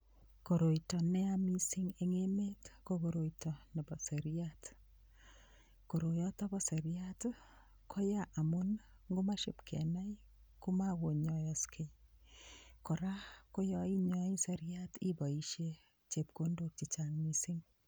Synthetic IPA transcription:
ko˨ɾo˨itɔ˨nɛ˦a˦mi˦sɪ˦ŋe˨ŋe˦me˦tko˦ɡo˨ɾo˨itɔ˨nɛ˨bɔ˨se˨ɾiat | ko˨ɾo˨jɔ˦tɔ˦bɔ˦se˨ɾiat | kʰɔ˦ja˦ʔa˨mu˦n | ŋɡo˦ma˦ʃe˦pkʰɛ̰˨na˦i | ku˦ma˦wo˨ɲɔ˨jɔ˨skʰe˨ | kɔ˨ɾa˦ko˦jɔ˦i˦ɲɔ˦i˦se˦ɾɪ˦ati˦bɔ˨i˦ʃje˦ | t͡ʃe˨p̚ko˦ndo˨k̚t͡ʃi˨t͡ʃa˨ŋmi˦sɪ˦ŋ

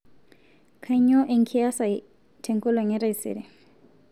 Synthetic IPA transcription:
kʰa˦jɲɔ˦ʔe˨ŋkʰi˦a˦sa˨j | tʰe˨ŋko˦lo˨ŋe˦ɾa˦jsḛ˨ɾe˨

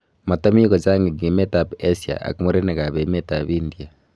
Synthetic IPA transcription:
ma˨ta˦mi˦kɔ˨t͡ʃa˦ŋɡi˨ɡi˨me˦ta˨pe˦sja̰˨ʔa̰˨ki˨mo˦ɾe˦ne˨ka˨βe˨me˦ta˨βi˦ndia˨

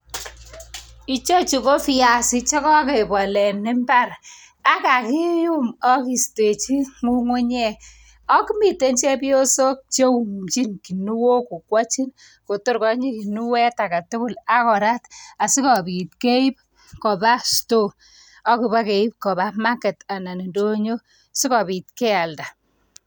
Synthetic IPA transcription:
i˦t͡ʃo˦t͡ʃi˨ko˦fi˦ja˨si˦t͡ʃɔ˦kɔ˦ke˨bɔ˨lɛ˨nɪ˦mba˦r | a˦ka˨ki˦ju˦mɔ˦ki˨ste˨t͡ʃi˦ŋu˦ŋwu˦ɲɛ˦˨ | ɔ˦ki˦mi˨te˦nt͡ʃɛ˦pi˦o˦so˦k̚t͡ʃe˦u˨mt͡ʃi˦nki˨nu˦wo˦ku˨kwa˦t͡ʃi˦n | ko˨to˦ɾkɔ˦ɲi˦ki˨nu˦wɛ˦ta˨ka˨tʊ˦kʊ˦la˦kɔ˨ɾa˦ta˨si˦kɔ˨bi˨t̚ke˦i˦p̚ | kɔ˨ba˦sto˦˨ | ɔ˦ku˨ba˦ke˨i˦p̚kɔ˨ba˦ma˦ke˨ta˨na˨ni˨ndo˦ɲo˦ | si˦kɔ˨bi˨t̚kɛ˦a˨lda˨

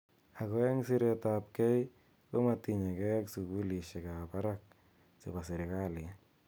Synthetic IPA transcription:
a˨ko˦ɛ˦ŋsɪ˦ɾe˦tap̚kɛ˦j | ko˦ma˨ti˨ɲa˨kɛ˦ksu˨ku˦li˨ʃe˨ka˨pa˦ɾak̚ | se˨ba˨sɪ˨ɾe˨kalɪ˨˦

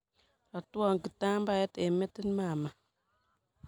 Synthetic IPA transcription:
la˨tu˦a˨ŋ˨ki˨ta˦mba˦˨ja˦te˨mɛ˦ti˦n˦maː˨ma˨

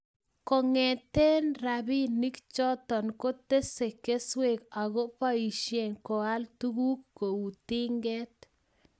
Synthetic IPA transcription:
ko˨ŋe˨t̪e˦nɾa˨bi˦ni˦kt͡ʃɔ˦t̪ɔ˨nko˦t̪e˦se˨ke˦swe˨ka˨ɣo˦pa˦i˨ʃje˨nko˨a˦lt̪u˦ɡu˦kːo˨u˨t̪i˦ŋɡɛ˦t̪̚

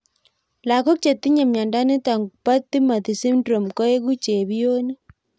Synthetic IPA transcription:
la˨ko˦k̚t͡ʃe˨t̪i˦ɲa˨mja˨nda˦ne˦ta˨ŋɡu˨pa˦t̪ːi˦ma˨ti˨si˦mdɾo˨mko˦e˦ɣu˦t͡ʃe˨βjo˦ni˦

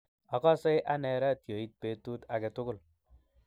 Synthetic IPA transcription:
a˨kɔ˦se˦jʔa˦nɛ˨ɾa˦tjo˨i˦t̚pe˨˦tu˦ta˨kɛ˨tʊ˦kʊ˦l

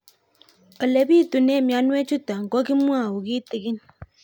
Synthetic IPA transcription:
ɔ˨le˨bi˦˨tu˨ne˦˨mja˨˦nwe˦t͡ʃu˦ta˨ŋ̩˨ɡɔ˦ki˦mʷ˦a˦˨wu˨ɡi˦ti˨ɡi˦n

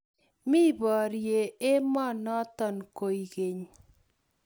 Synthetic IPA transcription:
mɪ˦bɔ˨ɾje˨e˦mɔ˦nɔ˦t̪ɔ˨nko˨i˨ɡe˨ɲ

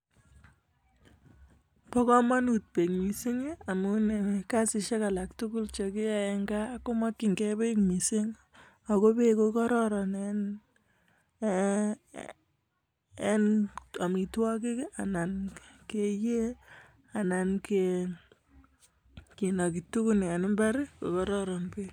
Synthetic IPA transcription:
pɔ˦kɔ˦ma˦nut̚pe˨kmi˨si˦ŋe˦a˨mu˦ne˨ka˦sɪ˧ʃe˦ka˨la˨k̚tʊ˦kʊ˦lt͡ʃɔ˨ki˦a˨ɛ˧ŋɡa˦ko˦ma˦ki˨ŋɡɛ˦be˦kmi˨sɪ˦ŋ | a˨ko˦be˦kokɔ˦ɾɔ˦ɾɔ˨ne˦n | e˦na˨mi˨twɔ˦k̬i˦ka̰˨na˨nke˨je˦ | a˨na˨nke | ki˨nɔ˨ki˨tu˦ku˦na˨n˦mbɛ˦ɾko̰˨kɔ˦ɾɔ˦ɾɔ˨npe

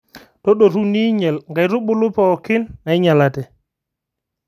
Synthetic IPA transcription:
tɔ˦ɗo˨ɾu˦ni˦ɲɛ˨lŋɡa˨jɾu˦ɓu˦lu˦pɔ˨ki˦na˨jɲa˨la˨tɛ˨

